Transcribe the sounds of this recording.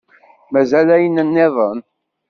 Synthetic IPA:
mæzælæjənənːɪðˤən

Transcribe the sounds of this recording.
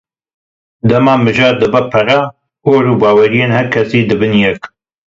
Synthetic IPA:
d̪ɐmɑːmɨʒɑːɾd̪ɨbɐpʰɐɾɑ | oːɾuːbɑːwɛɾijeːnhɛɾkʰɛsiːd̪ɨbɨnjɛk

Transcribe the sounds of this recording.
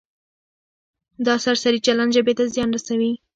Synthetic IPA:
d̪ɑsaɾsaɾit͡ʃalanʒəbet̪azjɑnɾasawi

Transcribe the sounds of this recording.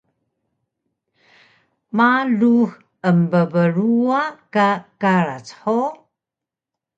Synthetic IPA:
malux | əmbəvəɾuakakaɾa̰t͡sħo

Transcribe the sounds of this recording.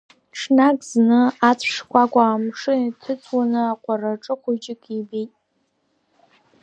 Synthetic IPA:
ʈ͡ʂʰnakʼznɨat͡sʷʰʂkʷʰʼakʷʼaːmʂɨtʰɨt͡sʷʰwanɨaqʷʼaraʈ͡ʂʼɨχʷʊd͡ʒɪkʼibejtʼ

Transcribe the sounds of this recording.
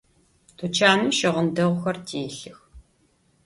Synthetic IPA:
tʰut͡ʃʰaːnɨʃɪʁəndɐʁʷʊxɐrtʰeːɬɨx

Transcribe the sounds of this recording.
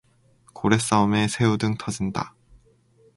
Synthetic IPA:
koɾe̞s͈aome̞sʰe̞judɯŋtʰʌd͡ʑinda̰

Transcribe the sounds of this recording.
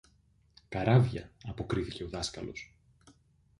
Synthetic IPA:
kɐɾɐvʝɐ̰ɐpo̞kɾiθice̞o̞ðɐskɐlo̞̰s

